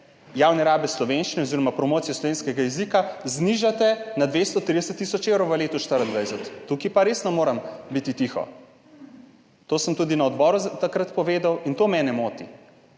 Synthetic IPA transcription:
jawnɛɾaːbɛslɔʋenʃt͡ʃinɛɔoziɾɔmapɾɔmoːt̪sijɔslɔʋeːnskɛɡajɛzikazniʒat̪ɛnad̪ʋest̪ɔt̪ːɾid̪ɛsət̪ːisɔt͡ʃewɾowʋəleːt̪ɔʃt̪əɾənd̪ʋajsɛt̪ːukipaɾeːsnɔmoːɾambit̪it̪ixɔ̰ | t̪oːsəmt̪uːd̪inɐɔd̪bɔːɾuzt̪akɾat̪pɔʋeːd̪awint̪oːmɛnɛmoːt̪ḭ

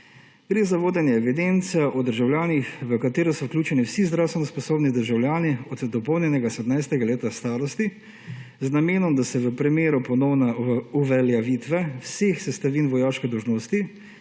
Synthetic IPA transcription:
ɡ̥ɾeːzaʋoːd̪ɛnjɛɛʋid̪ent̪sijaʔɔd̪əɾʒawlʲjaːnixʋəkat̪eːɾɔsɔwklʲuːt͡ʃɛniwsizd̪ɾawst̪ʋɛnɔspɔsoːbnid̪əɾʒawljaːniɔd̪d̪ɔpɔwnʲjɛnɛɡasɛd̪najst̪ɛɡaleːt̪ast̪aːɾɔst̪i | znameːnɔmd̪asɛʋəpɾimeːɾupɔnɔwnauʋɛljaʋiːt̪ʋɛwseːxsɛst̪aʋiːnʋɔjaːʃkɛd̪ɔwʒnoːst̪i

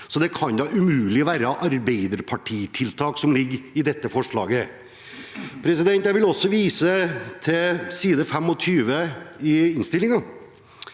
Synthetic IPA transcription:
sɔd̪ɛkʰɑnd̪ɑʉmʉːlɪɔʋæːɾəʔɑɾbeɪd̪əɾpʰɑʈʰiːt̪ʰɪlt̪ʰɑːksɔmlɪɡɾɪd̪ɛt̪ːəfɔʂɭɑ̰ːɡə | pʰɾɛsɪd̪ɛnt̪jæɪʋɪlɔsːɔʋiːsət̪ʰɪsiːd̪əfɛmːɔt̪ʰyːʋəɪɪnst̪ɪlːɪŋɑ

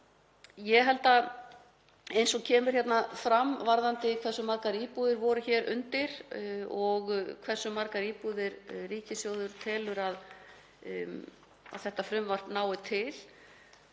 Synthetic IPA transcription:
jɛɦɛlt̪a | ejnsɔɣcʰɛːmʏɾ̥çjɛt̪nafɾamvaɾðant̪ɪkʰvɛr̥sʏmaɾkaɾiːpuðɪɾvɔɾʏçɛːɾʔʏ̰nt̪ɪɾɔɣkʰvɛr̥sʏmaɾkaɾiːpuðɪɾriːcɪsjoːwðʏɾt̪ʰɛːlʏɾað | a̰ðθɛht̪afɾʏmvar̥t̪naːwɪt̪ʰɪl

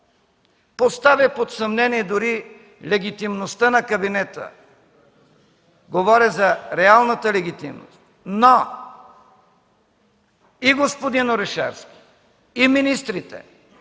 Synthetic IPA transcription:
post̪avipot̪sɐmnɛniɛd̪oɾi | lɛɡʲit̪imnost̪ənɐkɐbinɛt̪ə̰ | ɡovɔɾɛzɐɾɛalˠnət̪əlɛɡʲit̪ḭmno̰st̪no | iɡospod̪inoɾɛʃa̰ɾskʲi̥ | iminist̪ɾit̪ɛ̰

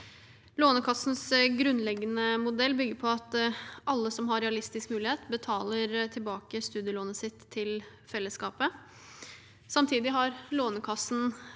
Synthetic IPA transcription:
loːnəkʰɑsn̩sɡɾʉnlɛɡːənəmʊd̪ɛlːbʏɡəɾpʰɔɑt̪ʔɑlːəsɔmɦɑɾɛɑlɪst̪ɪskmʉːlɪheːt̪bət̪ʰɑːləɾt̪ʰɪlbɑːkəst̪ʉːd̪ɪjəloːnəsɪt̪ʰːɪl | fɛlːəskɑːpə | sɑmt̪ʰiːd̪ɪɦɑɾloːnəkʰɑsn̩

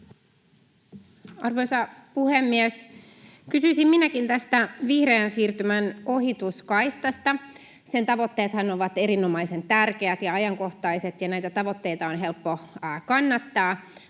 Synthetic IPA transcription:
ɑrʋo̞jsɑpuhemːies | kysyisimminækint̪æst̪æʋihreænsiːrt̪ymæno̞ɦit̪uskɑjst̪ɑst̪ɑ | sent̪ɑʋo̞t̪ːe̞ːt̪hɑnoʋɑt̪e̞ɾino̞mɑjse̞nt̪ærk̟e̞æt̪jɑɑjɑŋko̞ht̪ɑjse̞t̪jɑnæjt̪æt̪ɑʋo̞t̪ːe̞jt̪ɑonɦe̞lpːokɑnːɑt̪ːɑː

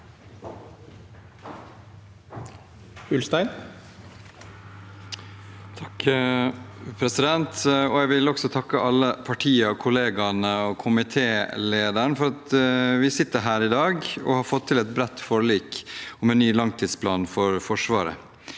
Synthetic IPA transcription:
ʉlst̪æɪn | t̪ʰɑk | pʰɾɛsɪd̪ɛnt̪ɔæɪʋɪlɔɡsɔt̪ʰɑkːəʔɑlːəpʰɑʈʰiːəɔkʰʊleːɡɑnəɔkʰʊmɪt̪ʰeːleːd̪əɳ̩fɔɾɑt̪ʋɪsɪt̪ːəɾɦæːɾɪd̪ɑːɡɔ̰hɑɾfɔt̪ʰːɪlɛt̪̚bɾɛt̪ːfɔɾəliːkɔmɛnnyːlɑŋt̪ʰiːd̪spʰlɑːnfɔɾfɔʂʋɑːɾə̰

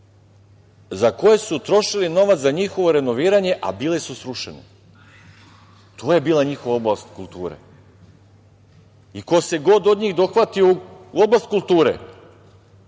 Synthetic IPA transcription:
zako̞je̞sut̪ɾo̞ʃilino̞ʋat̪zaɲixo̞ʋo̞ɾe̞noʋiːɾaɲe̞ʔa̰biːlesusɾuʃḛne | t̪ʰoːje̞biːlˠaɲixo̞ʋao̞blast̪kulˠt̪uːɾḛ | iko̞se̞ɡo̞d̪od̪ɲiːɣd̪o̞xʋat̪iouuo̞blast̪kulˠt̪uːɾḛ

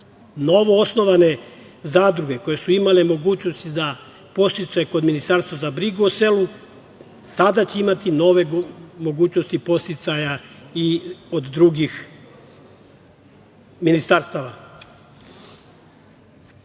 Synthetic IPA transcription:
no̞ʋo̞osno̞ʋane̞ | zaːd̪ɾuɡe̞ko̞je̞suimalemo̞ɡuːt͡ɕno̞st̪id̪a | po̞st̪it̪sajeko̞d̪minist̪aɾst̪ʋazabɾiɡuose̞lu | sad̪at͡ɕeimat̪ino̞ʋemo̞ɡuːt͡ɕnost̪ipo̞st̪it̪sajaiod̪d̪ɾuɡix | minist̪aɾst̪aʋa

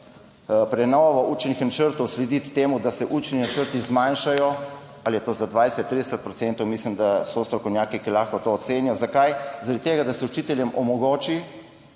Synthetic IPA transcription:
pɾɛnɔʋɔʔuːt͡ʃnixnat͡ʃəɾt̪ɔwslɛd̪it̪ːeːmud̪asɛʔuːt͡ʃninat͡ʃəɾt̪izmanʃajɔ | alijɛt̪oːzad̪ʋajsɛt̪ːɾid̪əsɛt̪̚pɾɔt̪sent̪ɔwmislimd̪asɔst̪ɾɔkɔwnjaːkikilaxkɔt̪oːt̪seːnjɔzakajzaɾad̪it̪eːɡad̪asɛut͡ʃit̪ɛljɛmɔmɔɡoːt͡ʃi

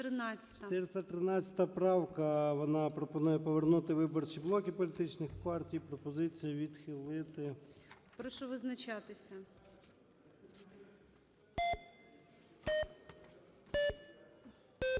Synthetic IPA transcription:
t̪ɾɪnɑt͡sʲɐ̥ʃt̪ɐt̪ɪɾst̪ɐt̪ɾɪnɑt͡sʲɐ̥t̪ɐpɾɑwkɐʋɔnɑpɾɔpɔnujɛpɔʋernut̪ɪʋɪbɔrt͡ʃiblˠɔkʲipɔlʲit̪ɪt͡ʃnɪxpɑrtʲijpɾɔpɔzɪt͡sʲijɐʋʲid̪xɪlˠɪt̪ɪ | pɾɔʃɔʋɪznɐt͡ʃɑt̪ɪsʲɐ

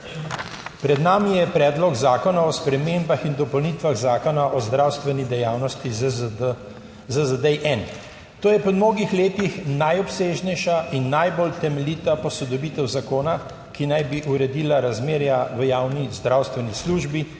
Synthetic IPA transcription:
pɾɛd̪naːmijɛpɾɛːd̪lɔɡzaːkɔnaɔspɾɛmembaxind̪ɔpɔwniːt̪ʋaɣzaːkɔnaʔɔzd̪ɾawst̪ʋɛnid̪ɛjaːwnɔst̪i | zəzəd̪ɛjʔɛn | t̪oːjɛpɔmnoːɡixleːt̪ixnajɔpseːʒnɛjʃaʔinːajbolt̪ɛmɛliːt̪apɔsɔd̪ɔbiːt̪ɛwzakoːna | kinajbiʔuɾɛd̪iːlaɾazmeːɾjaʋəjawnizd̪ɾawst̪ʋɛnisluːʒbi

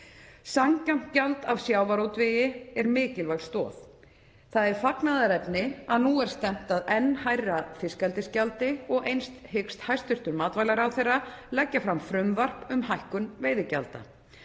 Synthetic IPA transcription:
saŋkam̥t̪̚calt̪avsjaːwvaɾowt̪vɪjɪɛɾmɪːcɪlvajɣlst̪ɔːθ | θaðɛɾ̥faknaðaɾɛpnɪaðnuɛɾ̥st̪ɛm̥t̪aðɛnːhajrafɪskalt̪ɪscalt̪ɪɔɣejnst̪hʏkst̪hajst̪ʏr̥t̪ʏɾmaːt̪vajlaɾawθejrːalɛcːafɾamfɾʏmvar̥pʏmɦajhkʏnveːjðɪca̰lt̪a̰

